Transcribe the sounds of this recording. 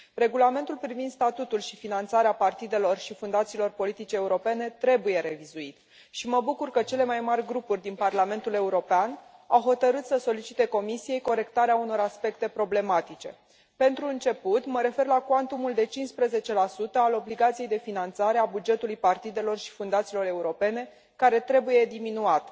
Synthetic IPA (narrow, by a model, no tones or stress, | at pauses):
re̞ɡulame̞nt̪ulpɾivind̪st̪at̪ut̪ulʃifinant̪saɾeapart̪id̪e̞lo̞rʃifund̪at̪siːlo̞rpo̞lit̪it͡ʃeːuɾo̞pe̞ne̞t̪ɾe̞buje̞ɾe̞vizuit̪ | ʃiməbukurkət͡ʃe̞le̞majmarʲɡɾupurʲd̪inparlame̞nt̪ule̞uɾo̞peanawɦo̞t̪əɾɨt̪səso̞lit͡ʃit̪e̞ko̞misije̞jko̞ɾe̞kt̪aɾeauno̞ɾaspe̞kt̪e̞pɾo̞ble̞mat̪it͡ʃe̞̰ | pe̞nt̪ɾuɨnt͡ʃe̞put̪məɾe̞fe̞rlakwant̪umuld̪e̞t͡ʃinspɾeze̞t͡ʃe̞lasut̪əalo̞bliɡat̪sije̞jd̪efinant̪saɾeabud͡ʒe̞t̪ulujpart̪id̪e̞lo̞rʃi̥fund̪at̪silo̞ɾe̞uɾo̞pe̞ne̞ | kaɾe̞t̪ɾe̞buje̞d̪iminuat̪